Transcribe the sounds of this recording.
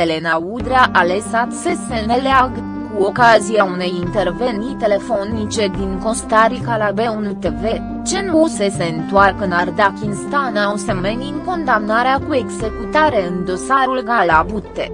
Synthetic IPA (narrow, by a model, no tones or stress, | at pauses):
ele̞naud̪ɾeaʔalesat̪se̞sp̪eneleaɡ | kuo̞kaziaune̞jint̪e̞rve̞nit̪e̞le̞fo̞nit͡ʃe̞d̪iŋko̞st̪aɾikalabe̞unut̪e̞ve̞ | t͡ʃe̞nuse̞seɨnt̪uarkɨnard̪akʲinst̪anawsemeninko̞nd̪amnaɾeakue̞ɡze̞kut̪aɾe̞ɨnd̪o̞saɾulɡalabut̪ːe